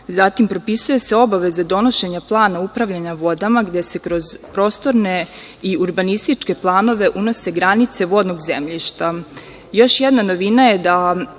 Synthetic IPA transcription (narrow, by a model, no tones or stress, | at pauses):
zat̪impɾo̞pisujeseo̞baʋe̞zad̪o̞no̞ʃe̞ɲaplˠaːnaupɾaʋʎaɲaʋo̞d̪amaɡd̪e̞se̞kɾo̞zpɾo̞ːst̪o̞ɾne̞ | iuɾbanist̪it͡ʃke̞plˠaːno̞ʋeʔuno̞se̞ɡɾanit̪se̞ʋo̞d̪noɡzemʎiʃt̪a | jo̞ʃjed̪nano̞ʋinajed̪a